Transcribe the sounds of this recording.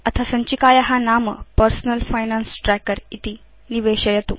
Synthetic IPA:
ɐt̪ʰasəɲt͡ɕikaːjaɦanamə̰pəɾsnəlfajnansʈɾɛkəɾit̪iː | niʋeɕəjet̪ṵː

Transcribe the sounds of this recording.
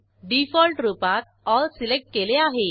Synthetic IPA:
ɖifɔlʈɾupat̪̚ | ɔlsilek̚ʈ̚keleaɦe

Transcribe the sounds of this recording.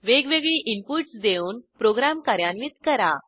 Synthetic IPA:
ʋeɡʋeɡɭiːʔimpuʈsd̪euːnpɾoɡɾamkaɾjanʋiːt̪kəɾa

